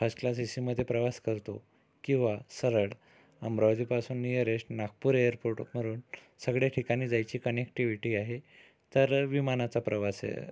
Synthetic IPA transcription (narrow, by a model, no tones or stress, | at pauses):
fəsklas̬isiməd̪ʱːjepɾəʋaskəɾt̪o | kĩw̃ʋasəɾəɽ | əmbɾaʋd͡ziːpasuːnːijəɾeʂʈnak̚puːɾejəɾpoɾʈməɾuːn | səɡɭjaʈʰikañiːd͡zajt͡ɕiːkənekʈiʋiʈiːaɦe | t̪əɾʋimanat͡sapɾəʋasḛ